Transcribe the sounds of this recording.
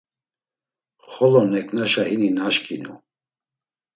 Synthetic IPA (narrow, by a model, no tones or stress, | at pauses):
χɔlɔnɛkʰʼnaʃaininaʃkʰʼinṵ